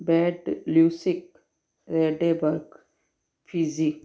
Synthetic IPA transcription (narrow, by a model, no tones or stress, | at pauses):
bɛːɖluːsik | ɾeɖebəɾk | pʰizik